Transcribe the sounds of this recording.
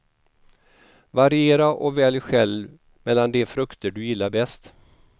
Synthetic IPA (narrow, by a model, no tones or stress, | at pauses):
vaɾɪeːɾaʔɔ̰vɛːljɧɛl | mɛlːand̪ɛfɾɵkt̪əɖɵjɪlːaɾbɛst̪